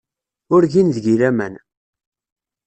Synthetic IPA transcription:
ʊɾʝinðʝiɾæmæn

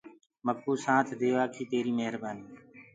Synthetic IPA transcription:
mək̚ːuːsãːt̪ʰd̪eːʋaːkʰiːt̪eːɾiːmeɦɾbaːniː

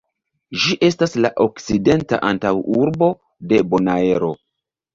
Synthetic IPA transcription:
ʒiʔe̞staslaʔo̞kt͡side̞nta̰ʔantawuɾbo̞ | de̞bo̞nae̞ɾo̞

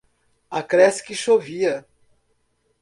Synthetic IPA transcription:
ɐkɾɛsɪ̥kɪʃoviɐ

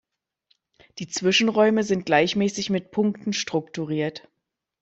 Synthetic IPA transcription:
d̥iːt͡sv̥ɪʃn̩ʁɔʏməzɪnt̚ɡ̥laɪçmɛːsɪçmɪt̚pʰʊŋktn̩ʃtʁ̥ʊktuʁiːɐt

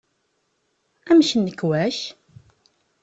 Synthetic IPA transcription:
æmʃənːəkːwæʃ

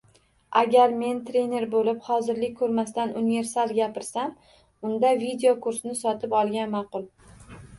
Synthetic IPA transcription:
ʔaɡʲaɾme̞nt̪ʰɾe̞ne̞ɾbolɪpχɒzɪɾlɪk̚ʲkʰːɵɾmast̪anʔʊnje̞ɾsalˠɡʲapɪɾsam | ʊnd̪avid̪eokʰʊɾsɪnɪsɒt̪ʰɪpɒlˠɡʲanmɑqʊlˠ

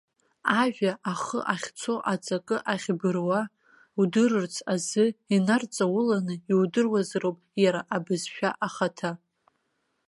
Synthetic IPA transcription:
aʒᶣaʔaχə̰ʔaχʲt͡sʰoʔat͡sʼakʼɨʔaχʲbɨrwa | udɨrɨrt͡sʰazɨinart͡sʼawʊlanɨiwdɨrwazrowpʼjaɾaʔabɨzʃᶣaʔaχatʰa

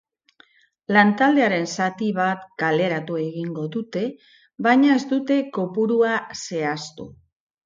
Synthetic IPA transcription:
lant̪ald̪e̞aɾe̞nsat̪iβat̪kale̞ɾat̪ue̞ɣiŋɡo̞ðut̪e̞ | βajɲae̞zd̪ut̪e̞ko̞puɾuase̞ast̪ṵ

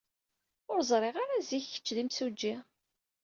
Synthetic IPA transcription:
ʊɾzˤɾˤeʁaɾaziçːə̥t͡ʃːðimsud͡ʒːi

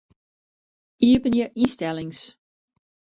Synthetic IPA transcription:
iəpənjəʔistɛlˠɪŋs

